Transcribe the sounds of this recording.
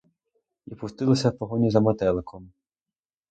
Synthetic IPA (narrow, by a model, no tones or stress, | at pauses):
ipʊst̪ɪlˠɔsʲɐwpɔɦɔnʲizɐmɐt̪ɛlˠekʰɔm